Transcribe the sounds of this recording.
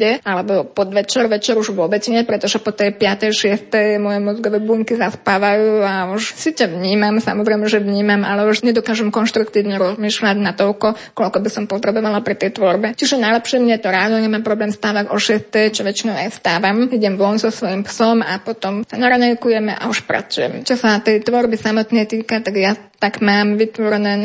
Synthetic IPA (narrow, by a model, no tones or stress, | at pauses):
ɛalɛbɔpɔd̪ʋɛt͡ʃɛɾʋɛt͡ʃɛɾuʒʋʊɔbɛt͡sɲɛpɾɛt̪ɔʒɛpɔt̪ɛjpɪat̪ɛjʃɪɛst̪ɛjmɔjɛmɔzɡɔʋɛbuːŋkizaspaːʋajuːauʃsicɛʋɲiːmamsa̰mɔzɾɛjmɛʒɛʋɲiːmamʔa̰lɛuʃɲɛd̪ɔkaːʒɛmkɔnʃt̪ɾukt̪iːʊɲɛɾɔzmiːʃlaɟnat̪ɔlkɔ | kɔlkɔbisɔmpɔt̪ɾɛbɔʋalapɾit̪ɛjt̪ʋɔɾbɛt͡ʃiʒɛnajlɛpʃɛmɲɛt̪ɔɾaːd̪ɔɲɛmaːmpɾɔblɛːmst̪aːʋaɟɔʃɛst̪ɛjt͡ʃɔʋɛt͡ʃinɔʊajst̪aːʋamiɟɛmʋʊɔnzɔsʋɔjimpsɔma̰pɔt̪ɔmsanaɾaɲɛjkujɛmɛʔa̰uʃpɾa̰t͡sujɛ̰mɛt͡ʃɔsat̪ɛjt̪ʋɔɾbisamɔt̪nɛjt̪iːkat̪aɡja | t̪aɡmaːmʋit̪ʋɔɾɛnɛː